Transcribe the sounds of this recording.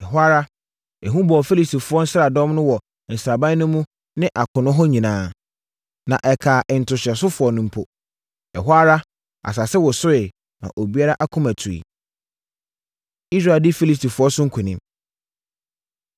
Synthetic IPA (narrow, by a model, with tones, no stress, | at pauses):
ɛ˨ɦa˦ɾa˦ | ɛ˨ɦũ˦bɔ˨fe˦li˨sti˨fʊ˨˦ɔ˦n̩˦sɾa˨dɔ̃˦mnʊ̃˦wɔ˨ | n̩˨sɾa˨bã˦nʊ̃˦mũ˦ | nɪ̃˦ʔa˨kʰʊ̃˨nʊ̃˦ɦɔ˦ɲĩ˨nãː˦ | nã˨ʔɛ˨kʰaː˨ʔɪ˨n̩˨tʰʊ˨ɕɪ˨ɛ˨s̬ʊ˦fʊ˨˦ɔ˨nʊ̃˦m̩˦pʰo̰˨ | ɛ̰˨ɦa˦ɾa˦ | a̰˨s̬a˨sɛ˦wɔ˨sʊ˦ɪ˨ | nã̰˨ʔo˨bi˦a˦ɾa˦ʔa˦kʰʊ̃˦mæ˨tʰu˨ḭ˨ | i˦s̬ɾa˦˨dɪ˦fi˦li˨sti˨fʊ˨˦ɔ˦sʊ̃˦ŋ̩˦kʰʊ̃˨nɪ̃˦m